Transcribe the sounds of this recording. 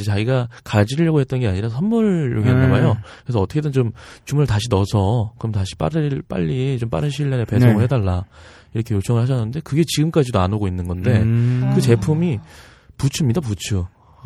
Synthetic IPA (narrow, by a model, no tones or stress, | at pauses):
et͡ɕaɡiɡakad͡ʑiʎːʌɡohet͈̚ʌnɡe̞aɲiɾasʰʌnmuɭːoɡinamajokeɾesʌʌt͈ʰʌkʰedɯnt͡ɕomt͡ɕumuɾɯɭtaɕʰinʌsʰʌkɯɾʌmtaɕʰi̥p͈a̰ɾɯp͈a̰ʎːit͡ɕomp͈a̰ɾɯnɕʰiɭːeɾepe̞sʰoŋɯɭhedaɭːa | iɾʌkʰe̞jot͡ɕ͈ʰʌŋɯɭhaɕ̬ʰʌnːɯnde̞kɯɡe̞t͡ɕiɡɯmk͈ad͡ʑidoanoɡoinːɯnɡʌnde̞kɯt͡ɕe̞pʰumi | put͡ɕʰɯmɲidap̬ut͡ɕʰɯ